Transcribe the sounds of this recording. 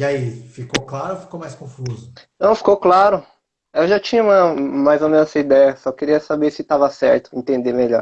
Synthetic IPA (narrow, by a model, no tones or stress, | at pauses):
iaifikowklaɾʊofi̥komajskõfuzʊt̪ɐ̃w̃fi̥kowklaɾʊ | ewʒat͡ʃĩɲɐũmɐmajzomẽnsɐid̪ɛjɐsɔkeɾiɐsabeɾsɪt̪avɐsɛɾt̪ʊḛ̃nt̪ẽnd̪emeʎɔ̰ɾ